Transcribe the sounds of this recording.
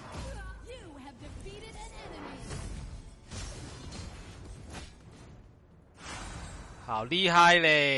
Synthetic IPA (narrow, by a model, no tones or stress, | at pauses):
jɨɨvdɨfiɾɪɾɛnɨmi | hʰaːwliːɦaːjleː